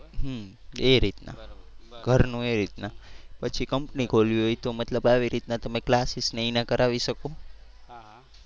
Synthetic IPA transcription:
ɦmeɾit̪na̰ɡʱəɾnũeɾit̪napət͡ʃʰikəmpnikʰoliɦojt̪omət̪ləbaʋiɾit̪nat̪əmeklasisneinakəɾaʋiʃəko

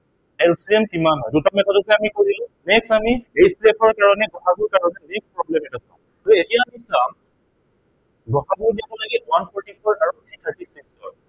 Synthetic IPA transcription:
ɛlsiɛmkimanɦɔjdutamɛtazɔtɔamikoɹilʊ̃nɛksamiejslepɔɹkaɹɔnɛɡɔxʰabuɹkaɹɔnɛnekspɹɔblɛmɛtasã̰ | aɹɛetijaːmisãm | ɡɔxʰabuɹniabɔlaɡitwanpʰɔɹtipʰɔɹkaɹɔnt̪ʰɹitʰaɹtisikstɔ̰

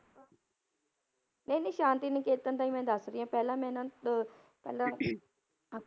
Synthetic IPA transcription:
nẽːniʃãːnt̪iːnẽkeːt̪ːənt̪aːĩːmɛ̃ːd̪əsɾɪjãːpɛːlãːmɛ̃ːnãː | pɛːlãː

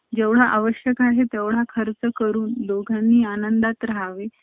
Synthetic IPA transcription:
d͡ʑeʋɽ̤aʔaʋəɕjəkaɦet̪eʋɽ̤akʰəɾt͡səkəɾuːnlokanːiːanənd̪at̪ɾaɦaʋe

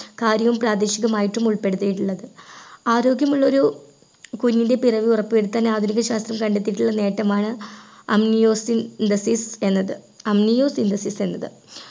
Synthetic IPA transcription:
kaːɾjɐʋumpraːd̪iɕiɣɐmaːjiʈːumuɭpe̞ɽut̪ːijiʈːuɭːɐðɨaːɾo̞ːɡjɐmuɭːɐo̞ɾu | kuɲːinde̞pirɐʋiurɐpːɨeɽɨt̪ːɐnːeaːd̪ʱunikːɐɕaːst̪rɐmkɐɳɖet̪ːiʈːuɭːɐne̞ːʈːɐmaːɳɨɐ̰mnijo̞ːsind̪ɐsise̞nːɐðɨ | ɐmnijo̞ːsind̪ɐsise̞nːɐðɨ

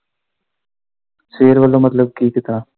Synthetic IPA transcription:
seːɾʋəlõːmɐt̪ləb̚kiːkɪt̪ãː

